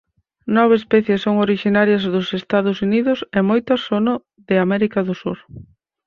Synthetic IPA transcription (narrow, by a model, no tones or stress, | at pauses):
nɔβeespɛθjesːoŋoɾiʃinaɾjɐzðʊsest̪aðʊsuniðʊsɛmojt̪ɐsonʊ | ðɪamɛɾikɐðʊsuɾ